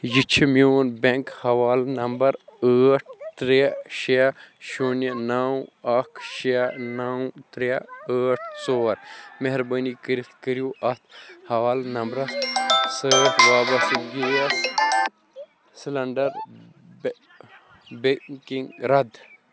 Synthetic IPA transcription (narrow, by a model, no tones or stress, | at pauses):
jit͡ʃʰimjoːnbeŋkhɐʋaːlnɐmbɐɾəːʈ̚ʰt̪ɾeʃijaʃonɐnaːwɐkʰʃianawt̪ɾaəːʈʰsoːɾmeɦɾbɐːnikəɾift̪kəɾijuːʔɐt̪ʰhɐʋaːlnɐmbɾɐt̪səʋaːbɐsit̪ɡij | slɐɳɖɐɾ | bekiŋɡɾɐd̪